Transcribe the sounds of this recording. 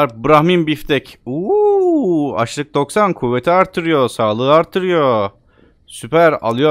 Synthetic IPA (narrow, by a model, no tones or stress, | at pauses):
ɾbɯɾahmimbift̪ʰɛcuː | a̰ʃlˠɯk̚d̪o̞ksankʰuvːe̞t̪ʰiaɾt̪ʰːɯɾɯjo̞saːlˠɯɯaɾt̪ʰːɯɾɯjo̞ | sypʰæɾa̰lˠɯjo